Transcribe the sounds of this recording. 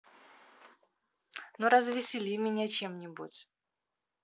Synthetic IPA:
noɾɐzvʲɪsʲɪlʲimʲɪnʲat͡ɕemnʲɪbutʲ

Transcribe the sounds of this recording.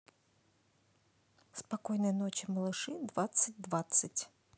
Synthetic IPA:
spakɔjnɐjnɔt͡ɕɪmɐlˠɨʂɨd̪vat̪sɨt̚ʲd̪vat̪sɨtʲ

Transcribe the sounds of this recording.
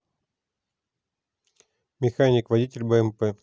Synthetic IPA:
mʲɪxanʲɪkvɐdʲitʲɪlʲbəɛmpɛ

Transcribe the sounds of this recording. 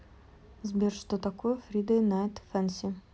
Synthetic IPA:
zbʲerʂt̪ot̪ɐkojəfɾʲid̪ənat̪fɛnsʲɪ

